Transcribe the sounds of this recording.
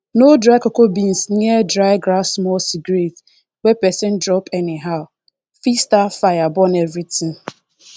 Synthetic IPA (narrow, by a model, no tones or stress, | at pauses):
nodɾajkokobĩnsniɛdɾaɪɡɾasmɔlsiɡɾet | wepɛsɪ̃ndɾɔpʰɛnɪɦaʊ | fistafajabɔnevɾitĩŋ